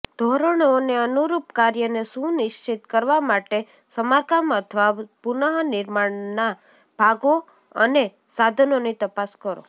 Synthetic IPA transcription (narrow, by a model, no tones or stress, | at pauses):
d̪ʱoɾəɳ̃neənuɾupkaɾjənesũnɪʃt͡ʃit̪kəɾʋamaʈe | səmaɾkamət̪ʰəʋapunəɦnɪɾmaɳna | bʱaɡo | ə̰ne | sad̪ʱənonit̪əpaskəɾo̰